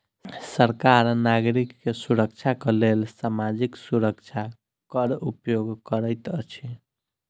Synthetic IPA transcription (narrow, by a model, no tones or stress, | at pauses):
səɾkaɾnaɡɾikːesuɾək̚t͡ʃʰakelelsamad͡ʒiksuɾəkt͡ʃʰa | kəɾupjoɡkəɾəjt̪ət͡ʃʰi